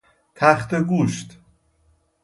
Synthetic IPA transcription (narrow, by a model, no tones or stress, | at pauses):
t̪ʰæxt̪eɡuːʃt̪